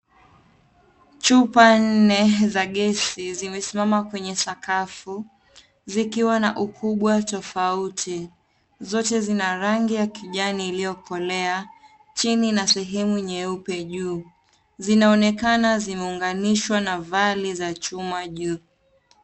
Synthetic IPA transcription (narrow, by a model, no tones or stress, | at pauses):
t͡ʃupan̩nɛzaɠɛsizimɛsimamakwɛɲɛsakafu | zikiwanaʔukʰuɓwatɔfautʰi | zɔtɛzinaɾaŋɡijakiʄaniːlijɔkɔlɛa | t͡ʃininasɛɦɛmuɲɛupɛʄuː | zinaɔnɛkanazimɛuŋɡaniʃwanavalizat͡ʃumaʄuː